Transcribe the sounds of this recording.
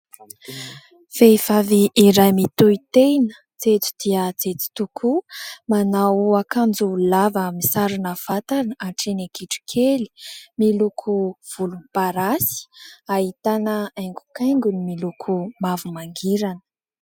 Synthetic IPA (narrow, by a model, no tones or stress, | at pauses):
feivaviʔːɾajmit̪uit̪ejnə̥ | t͡set͡si̥d̪̥iət͡set͡si̥t̪ukʰumanawakand͡zulavammisaɾinav̥at̪anəaɳʈ͡ʂenekiʈ͡ʂi̥kʰeli̥milukʰuv̥ulunipaɾasi̥aɦit̪anəajŋɡu̥kajŋɡunimilukʰumavumaŋɡiɾanə̥